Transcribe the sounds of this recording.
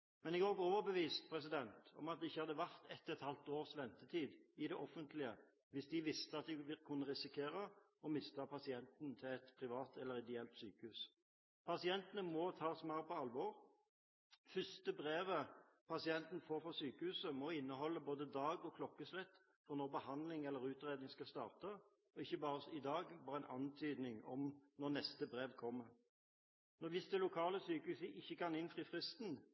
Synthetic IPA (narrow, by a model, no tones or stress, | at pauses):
mɛnɪɡɔːɡoːʋəbəʋiːst̪pʰʁɛs̬ɪd̪ɛnt̪ɔ̰mɑt̪ɪçːəhɑd̪əʋæʁt̪ʰɛt̪ːɛt̪hɑlt̪oːʁsʋɛnt̪ət̪ʰiːd̪ɪd̪ɛʔɔfənt̪lɪə | ʋɪsd̪ɪʋɪst̪əɑt̪̚d̪ɪʋɪlkʰʊnːəʁɪsɪkʰeːɾɑ | ɔmɪst̪ɑpʰɑsɪɛnt̪n̩t̪ʰɪɛt̪pʰɾɪʋɑːt̪ʰɛlːəɾɪd̪ɪɛlt̪syːkəhʉːs | pʰɑsɪɛnt̪ənəmɔt̪ʰɑːsmɑɾpʰɔɑlʋɔʁ | fʏst̪əbʁeːʋə | pʰɑsɪɛnt̪n̩foːɾfɔsyːkəhʉːsəmɔɪnːəɦɔlːəboːd̪əd̪ɑːɡɔkʰlɔkːəslɛt̪ː | fɔʁnɔʁbəhɑnd̪lɪŋɛlːəɾʉːt̪ʁeːd̪nɪŋskɑst̪ɑ̰ːʁt̪ɑ | ɔɪçːəbɑːʁəsɪd̪ɑːɡʋɑːɾʁəɛnʔɑ̰nt̪ʰyːd̪nɪŋɔmnɔʁnɛst̪əbʁeːʋkʰɔmːə | nɔʋɪsd̪ɛlʊkʰɑːləsyːkəhʉːsəʔɪçːəkɑnɪnfʁiːfʁɪst̪n